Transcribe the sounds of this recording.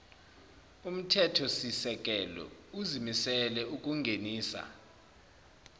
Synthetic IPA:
um̩tʰɛtʰɔsisɛk̬ʼɛlɔ̰uzimisɛlɛuk̬ʼuŋɡʱeniːsa̰

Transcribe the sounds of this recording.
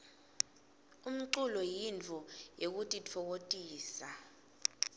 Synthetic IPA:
um̩ǀulɔjint͡fɔjek̬utʼit͡fʰɔk̬otʼiːsa

